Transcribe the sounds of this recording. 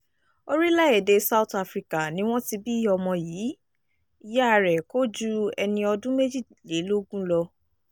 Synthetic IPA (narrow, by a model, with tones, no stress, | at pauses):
o˦ɾi˦la˦e˦˨de˧sa˦u˦ta˧fɾi˨ka˨nĩ˨˦w̃ɔ̃˦ti˧bi˦ɔ˧mɔ̃˧jiː˨˦ | i˧ja˦a˧ɾɛ˨ko˦d͡ʒu˦ɛ̰˧nĩ˧ɔ˧dũ˦me˦d͡ʒi˦˨ | le˨˦lo˦ɡũ˦lɔ˧